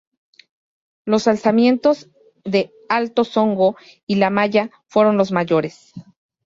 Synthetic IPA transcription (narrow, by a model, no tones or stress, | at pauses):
lo̞salsamje̞nt̪o̞z | ðe̞ | alt̪o̞so̞ŋɡo̞ | ilamaʝa | fwe̞ɾo̞nlo̞zmaʝo̞ɾe̞s